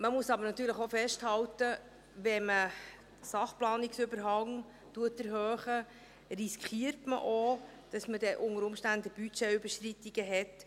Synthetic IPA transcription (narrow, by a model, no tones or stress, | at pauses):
məmuəsɑbəɾnɑtyːɾləχofɛʃthɑwtə | ʋɛmə | sɑχplɑːniksʏbəɾɦɑŋ | tuətɛɾɦøœːχə | riskχiəɾtmə̰ʔod̥ɑsmədɛʔʊŋəɾʊmʃtændəb̥yt͡ʃɛybəʃtritiɡ̥əɦɛt